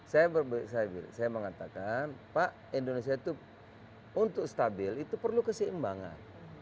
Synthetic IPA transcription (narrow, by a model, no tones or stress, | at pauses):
sajabərbsajabḭlsajaməŋat̪akanpaʔ | indonesiait̪u | unt̪ʊkst̪abɪlit̪upərlukəsiimbaŋa̰n